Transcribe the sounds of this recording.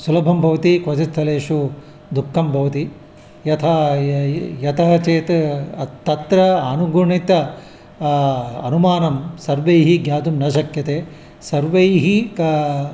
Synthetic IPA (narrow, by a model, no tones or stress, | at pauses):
sulɐbʱɐmbʱɐʋɐt̪ikʋɐt͡ʃit̪ʰːɐleːʂu | d̪ukʰːɐmbʱɐʋɐt̪i | jɐt̪ʰɐ | jɐt̪ʰɐɦɐt͡ʃeːt̪t̪ːɐt̪ɾɐanuɡuɳit̪ɐ | ɐ̰numaːnɐmsɐɾʋɐjɦiɡjaːd̪umnɐʃɐkjɐt̪eː | sɐɾʋɐjɦik